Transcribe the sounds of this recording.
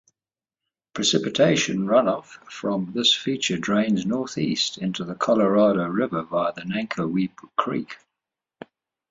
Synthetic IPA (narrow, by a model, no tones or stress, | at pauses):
pʰɹ̥ɪsɪpɪtʰeɪʃə̃nɹʌ̃nɒfɹə̃mðɪsfiˑt͡ʃədɹẽɪ̃nznɔˑθḭˑstʰɪ̃ntuðəkʰɒləɹɑːɾəʊɹɪvəvaɪðənæ̃ŋkʰəwiˑpkʰɹ̥ḭˑk